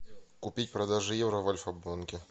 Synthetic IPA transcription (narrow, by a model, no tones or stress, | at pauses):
kʊpʲit̚ʲpɾɐd̪aʐɨjɛvɾɐvɐlʲfɐbˠonkʲɪ